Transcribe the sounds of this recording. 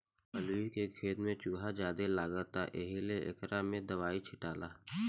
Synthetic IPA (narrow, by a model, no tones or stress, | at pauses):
pəlikekʰeːt̪mẽt͡ʃuːɦad͡ʒaːd̪elaːɡət̪aʔeɦileʔɪ̰kɾamẽd̪əʋaːit͡ʃʰɪʈaːlaː